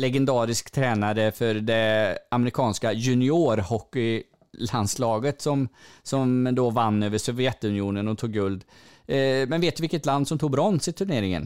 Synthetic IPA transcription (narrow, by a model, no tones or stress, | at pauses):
lɛɡɛnd̪ɑːɾɪskt̪ʰɾɛːnaɾəfœɾɖɛamɛɾɪkʰɑːnskajɵnɪoːɾhɔkːʏ | land̪slɑːɡət̪sɔmsɔmd̪ɔvanːøːvəʂɔvɪjɛt̪ɵnɪuːnənɔt̪ʰuːɡːɵld̪ | mɛnveːt̪d̪ɵvɪkːət̪land̪sɔmt̪ʰuːɡ̚bɾɔnsɪt̪ʰɵɳeːɾɪŋə̰n